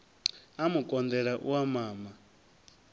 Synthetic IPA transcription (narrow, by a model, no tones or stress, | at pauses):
amukʼɔnd̪ɛɺaʔuwamaːma